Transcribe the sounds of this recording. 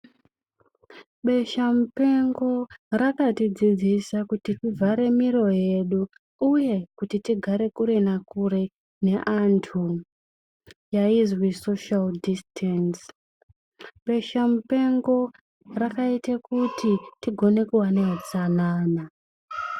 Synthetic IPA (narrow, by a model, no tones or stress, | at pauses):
ɓe̞ʃamupe̞ŋɡo̞rakatid͡zid͡zisakutitivʱaɾe̞miɾo̞je̞ɗuː | je̞kutitiɡʱaɾe̞kuɾe̞nakuɾe̞ | ne̞ʔantʰu | jaizwisoʃaldistʰens | ɓe̞ʃamupe̞ŋɡo̞ | rakaitekutitiɡʱo̞ne̞kuwaneɦat͡sanaːna